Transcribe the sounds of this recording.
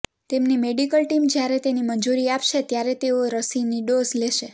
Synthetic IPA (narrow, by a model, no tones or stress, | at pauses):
t̪emnimeɖikəlʈimd͡ʒjaɾet̪enimənd͡ʒuɾiapʃet̪jaɾet̪eoɾəsiniɖozleʃe